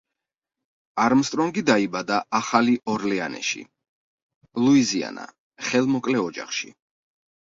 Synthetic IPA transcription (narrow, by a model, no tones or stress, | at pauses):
aɾmst̪ʼɾɔŋɡid̪aibad̪aʔaχaliʔɔɾlɛanɛ̰ʃḭ | lˠuizia̰na̰ | χɛlˠmɔkʼlɛɔd͡ʒa̰χʃḭ